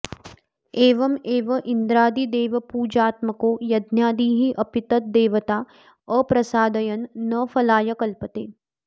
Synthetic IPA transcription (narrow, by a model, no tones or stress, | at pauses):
eːʋɐmeːʋɐʔind̪ɾaːd̪id̪eːʋɐpuːd͡ʒaːt̪mɐkoːjɐd̪njaːd̪iːɦiʔɐpɪt̪ɐt̪̚d̪eːʋɐt̪aː | əːpɾɐsaːd̪ɐjɐnːɐfɐlaːjɐkɐlpət̪eː